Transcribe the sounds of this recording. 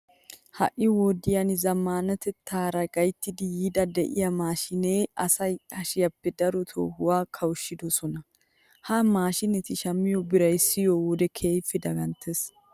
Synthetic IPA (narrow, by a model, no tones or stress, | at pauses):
hɐ̰ʔʔːɪwɔːd̪ɪjɐnɪzɐmːaːnɐt̪ɛt̪ʰːaːɾɐɡɐjt̪ːɪd̪ɪjiːd̪ɐd̪ɛʔɪjɐmaːʃɪneːɐsɐjɐʃɪjɐpːɛd̪ɐɾɔt̪ʰo̰ːhʊwaːkʰɐwʊʃːɪd̪ɔsɔnɐ | haːmaːʃɪnɛt̪ɪʃɐmːɪjɔbɪɾɐjsːɪjowɔd̪ɛkʰe̞ːjfːɛd̪ɐɡɐnt̪ʰɛs